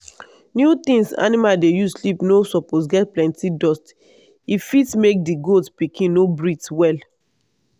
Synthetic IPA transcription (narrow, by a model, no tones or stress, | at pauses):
njut̪ĩŋsa̰nimaldejuslipnosɔpos̬ɡɛt̚plɛ̃ntidɔst | ifitmek̚diɡodspikĩnnobɹitwɛl